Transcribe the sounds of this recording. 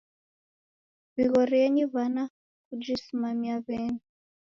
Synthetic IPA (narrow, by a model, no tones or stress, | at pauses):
βiɣɔɾiɛɲiβana | kud͡ʒisimamiaβɛni